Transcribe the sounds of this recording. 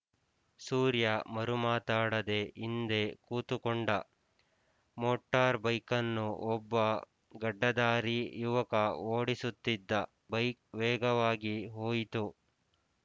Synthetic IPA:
suːɾjɐmɐɾumaːt̪aːɽɐd̪e̞ʔind̪e̞kuːt̪ukoɳɖɐ | moːʈːaːɾbɐjkɐnːuʔɔbːɐ | ɡɐɖːɐd̪aːɾijuʋɐkɐoːɽisut̪ːid̪ːɐ | bɐjk̚ʋɛːɡɐʋaːɡiɦoːjit̪u

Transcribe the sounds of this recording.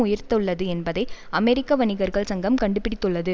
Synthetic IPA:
ʊjɪɾt̪ɯɭːɐðɯɛnbɐðɐɪɐmɛɾɪkːɐʋɐnɪɣɐɾɣɐɭsɐŋɡɐmkɐɳɖɯpːɪɽɪt̪ːɯɭːɐðɯ

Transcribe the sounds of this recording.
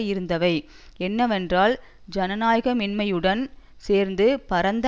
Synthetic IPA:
jɪɾɯnd̪ɐʋɐɪ | ɛnːɐʋɛndraːl | d͡ʒɐnɐnaːjɣɐmɪnmɐjɯɽɐn | seːɾnd̪ɯpɐɾɐnd̪

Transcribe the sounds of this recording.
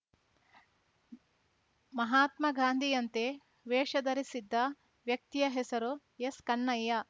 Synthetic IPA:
mɐɦaːt̪mɐɡaːnd̪ʱijɐnt̪e | ʋeːʂɐd̪ɐɾisid̪ːɐ | ʋjɐk̚t̪ijɐɦɛsɐɾu | jeskɐnːɐjːɐ

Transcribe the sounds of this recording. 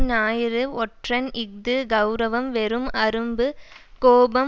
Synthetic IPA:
naːjɪɾɯɔʈrɐnɪɡ̚d̪ɯɡɐʊɾɐʋɐmʋɛɾɯmɐɾɯmbɯ | koːbɐm

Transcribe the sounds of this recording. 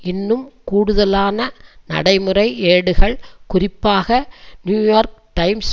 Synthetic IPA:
ɪnːɯmkuːɽʊðɐlaːnɐnɐ̰ɽɐɪmɯrɐɪeːɽɯɣɐɭkʊrɪpːaːɣɐnjuːjoːɾk̚ʈɐɪms

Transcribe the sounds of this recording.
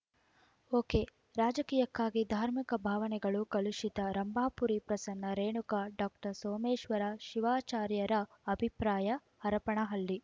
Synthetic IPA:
oːkeː | ɾaːd͡ʒɐkiːjɐkːaːɡid̪ʱaːɾmikɐbʱaːʋɐnɛɡɐɭukɐluʃid̪ɐɾɐmbʱaːpuɾipɾɐsɐnːɐɾeːɳukaɖaːk̚ʈɐɾsoːmeːʃʋɐɾaʃiʋaːt͡ʃaːɾjɐɾɐ | ɐbʱipɾaːjɐ | ɐɾɐpɐɳɐɦɐlːi

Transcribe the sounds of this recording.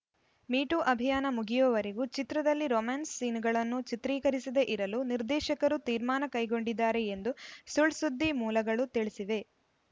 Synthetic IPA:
miːʈuʔɐbʱijaːnɐmuɡijɔʋɐɾeɡut͡ʃit̪ɾɐd̪ɐlːiɾomaːnsːiːnuɡɐɭɐnːut͡ʃit̪ɾiːkɐɾisid̪e̞ʔiɾɐluniɾd̪ɛːʃɐkɐɾut̪iːɾmaːnɐkɐjɡo̞ɳɖid̪ːaːɾe̞end̪usuɭsud̪ʱːimuːlɐɡɐɭut̪iɭisiʋe̞

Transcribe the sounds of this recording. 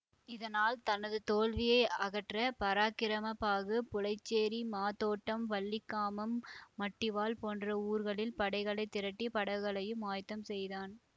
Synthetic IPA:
ɪðɐnaːlt̪ɐnɐðɯt̪oːlʋɪjɐɪɐɣɐʈrɐpɐɾaːkɪɾɐmɐpːaːɣɯpʊlɐɪt͡ʃːeːɾimaːt̪oːʈːɐmʋɐɭːɪkːaːmɐmːɐʈːɪʋaːlpoːndrɐuːɾɣɐɭɪlpɐɽɐɪɣɐɭɐɪt̪ɪɾɐʈːipɐɽɐʋɣɐɭɐjɯmaːjt̪ːɐmsɛjðaːn

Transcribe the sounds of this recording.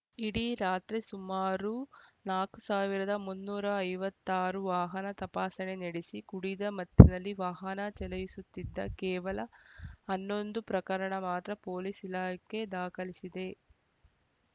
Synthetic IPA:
iɽiɾaːt̪ɾesumaːɾunaːkusaːʋiɾɐd̪ɐmunːuːɾɐːjʋɐt̪ːaːɾuʋaːɦɐnɐt̪ɐpaːsɐneneɽesikuɽid̪ɐmɐd̪ʱjɐnɐlːiʋaːɦɐnɐt͡ʃɛlɐjisut̪ːid̪ːɐ̰kɛːʋɐlɐɐnːo̞nd̪upɾɐkɐɾɐɳɐmaːt̪ɾɐpo̞ːlisilaːɐkːe̞d̪aːkɐlisid̪e̞

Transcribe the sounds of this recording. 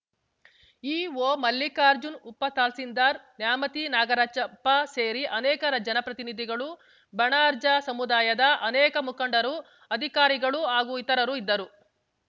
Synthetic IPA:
iːʋoːmɐlːikaːɾd͡ʒunupːɐt̪aːlsind̪aːɾnjaːmɐt̪inaːɡɐɾaːt͡ʃɐpːɐseːɾiʔɐnɛːkɐɾɐd͡ʒɐnɐpɾɐt̪inid̪ʱiɡɐɭu | bɐɳaːɾd͡ʒɐsɐmud̪aːjɐd̪ɐʔɐnɛːkɐmukɐɳɖɐɾu | ɐd̪ʱikaːɾiɡɐɭuaːɡuit̪ɐɾɐɾuid̪ːɐɾu

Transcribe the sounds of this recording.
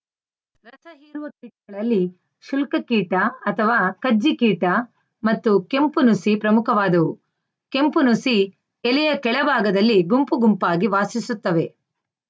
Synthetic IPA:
ɾɐsɐɦiːɾuʋɐk̚ːiʈɐɡɐɭɐlːi | ʃulkɐkiːʈɐɐt̪ʰɐʋaːkɐd͡ʒːikiːʈɐ | mɐt̪ːuke̞mpunusipɾɐmukʰɐʋaːd̪ɐu | ke̞mpunusi | ɛlɛjɐkɛɭɐbʱaːɡɐd̪ɐlːiɡumpuɡumpaːɡiʋaːsisut̪ːɐʋe̞

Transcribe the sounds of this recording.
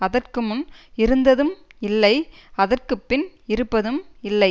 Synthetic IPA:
ɐðɐrkɯmɯnɪɾɯnd̪ɐðɯmɪlːɐɪɐðɐrkɯpːɪnɪɾɯpːɐðɯmɪlːɐɪ

